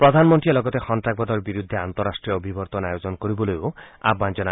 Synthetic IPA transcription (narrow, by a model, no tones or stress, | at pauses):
pɾɔd̪ʱanmɔnt̪ɾiɔlɔɡɔt̪exɔnt̪ɾak̚bɔd̪ɔɾbiɾud̪ʱːeant̪ɔɾasʈɾiɔobʱibɔɾt̪ɔnajod͡ʒɔnkoɾibɔlojoa̰bːand͡ʒɔna